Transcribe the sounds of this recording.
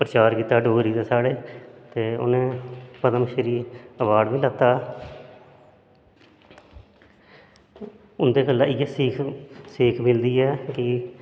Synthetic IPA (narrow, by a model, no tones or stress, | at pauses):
pɾət͡ʃaːɾkiːt̪ːaːɖoːɾiːd̪eːsaːɽeːt̪eːʊ̰nẽːpəd̪əmʃəɾiːəʋaːɖʋiːlət̪ːaː | ʊnd̪eːkəlːãːɪjɛːsiːkʰsiːkʰmɪld̪iːɛːkɪ